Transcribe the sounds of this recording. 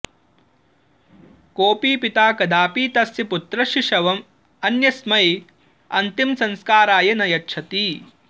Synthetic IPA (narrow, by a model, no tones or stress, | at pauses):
koːpiːpit̪aːkɐd̪aːpiːt̪ɐsjɐput̪ɾɐʃiʃɐʋɐm | ɐnjɐsmɐj | ɐ̰nt̪imsɐnskaːɾaːjɐnɐjɐtʃʰɐt̪iː